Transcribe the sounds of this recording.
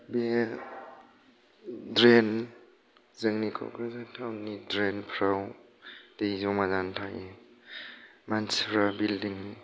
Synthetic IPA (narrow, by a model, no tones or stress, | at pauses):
be | dɾen | zɯŋnikʰɔ̰kɾɯzatʰawnidɾenpʰɾaw | d̥eizɔmazantʰae | manspʰɾabildiŋni